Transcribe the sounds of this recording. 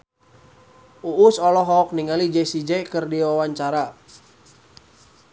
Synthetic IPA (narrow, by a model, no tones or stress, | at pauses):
ʔuʔːsɔlɔɦɔk̚niŋalid͡ʒɛsid͡ʒɛkɨrdiwawaɲt͡ʃaɾa